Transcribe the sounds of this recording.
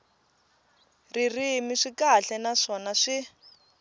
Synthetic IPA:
ririmiʂikaɬɛnaʂɔnaʂi

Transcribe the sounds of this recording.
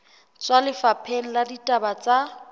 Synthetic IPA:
t͡sʼwalɪfapʰen̩laditʼabat͡sʼa

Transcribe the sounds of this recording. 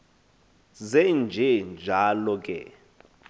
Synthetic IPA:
zɛnd͡ʒʱɛnd͡ʒʱalɔkʼɛ̰

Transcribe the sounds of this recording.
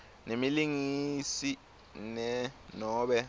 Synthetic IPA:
nemiliŋisi | nɛnɔːɓɛ

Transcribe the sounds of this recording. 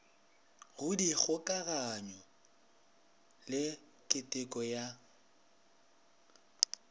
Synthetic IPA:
ɣʊdik͡xʰʊkʼaɣaɲɔ | lɪ | kʼɪtʼɪkʼɔja

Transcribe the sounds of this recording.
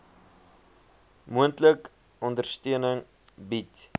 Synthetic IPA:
muəntlək | ɔndərstøənəŋ | bit

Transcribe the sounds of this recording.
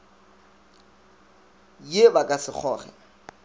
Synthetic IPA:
jebakʼasɪk͡xʰɔːχɛ̰

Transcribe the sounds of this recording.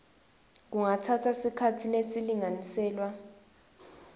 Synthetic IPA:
k̬uŋatʰatʰasikʰatʰilesiliŋanisɛːlwa

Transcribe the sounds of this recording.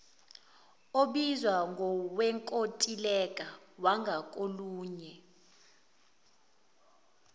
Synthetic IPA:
oɓizwaŋɡʱɔwɛŋkʼotʼilɛkʼawaŋɡʱakʼoluːɲɛ

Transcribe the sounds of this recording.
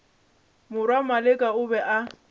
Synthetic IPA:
mʊɾwamalɪkʼaʊbɛʔa

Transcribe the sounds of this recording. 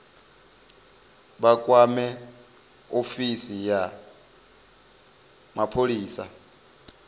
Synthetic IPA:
ɓakʼwamɛ | ofisija | mapʰoliːsa̰

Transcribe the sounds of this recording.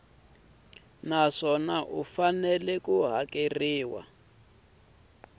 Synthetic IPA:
naʂɔnaʔufanɛlɛkuɦakeriːwa̰

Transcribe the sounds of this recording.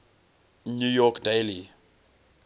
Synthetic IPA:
njujɔkdeli

